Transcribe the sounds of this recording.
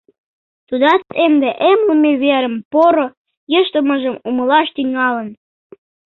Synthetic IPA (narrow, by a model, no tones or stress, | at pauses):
t̪ud̪ɑt͡semd̪eʔemlumeβeɾəmpoɾo | jəʃt̪əməʒəmuməlɑʃt̪yŋɑlə̆n